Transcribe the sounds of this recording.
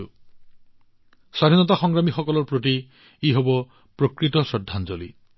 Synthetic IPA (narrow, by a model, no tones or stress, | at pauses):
sad̪ʱinɔt̪axɔŋɡɾamixɔkɔlɔɾpɾoti | iɦobɔ | pɾokɾit̪ɔsɔd̪ʱːand͡ʒolḭ